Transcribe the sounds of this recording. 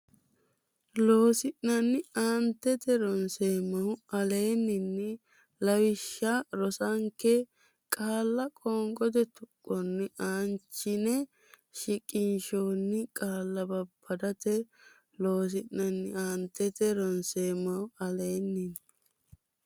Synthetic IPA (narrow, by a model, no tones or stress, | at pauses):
lo̞ːsɪʔnɐnːɪaːnt̪ːɛt̪ɛɾɔnseːmːɐwʊɐle̞ːnːɪnːɪ | lɐwɪʃːaɾɔsɐŋkːɛ | kʼaːlːɐkʼɔːŋɡʼɔd̪ɛt̪ʊkʼːɔnːɪaːnt͡ʃːɪnɛ | ʃɪkʼɪnʃoːnːɪkʼaːlːɐbɐbʰːɐd̪ɐt̪ɛ | lo̞ːs̬ɪʔnɐnːɪaːnt̪ːɛt̪ɛɾɔnseːmːɐwʊɐle̞ːnːɪn